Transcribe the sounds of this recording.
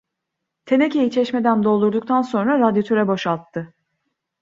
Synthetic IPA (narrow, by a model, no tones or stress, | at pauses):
t̪ʰe̞necejit͡ʃʰɛʃme̞d̪ænd̪o̞lˠd̪uɾd̪uk̚t̪ʰanso̞nɾaɾad̪jot̪ʰøɾɛbo̞ʃalˠt̪ʰːɯ